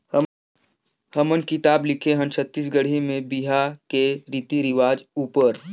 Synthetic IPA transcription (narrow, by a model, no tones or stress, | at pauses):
həmənkɪt̪aːblɪkʰeɦə̃nt͡ʃʰət̪ːis̬ɡəɽ̤imẽbiɦakeɾiːt̪iɾɪʋaːd͡ʒuːpəɾ